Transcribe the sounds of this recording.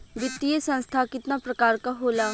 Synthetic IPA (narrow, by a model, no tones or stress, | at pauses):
ʋɪt̪ːiesə̃nst̪ʰaːkɪt̪naːpɾəkaːɾkaːɦoːlaː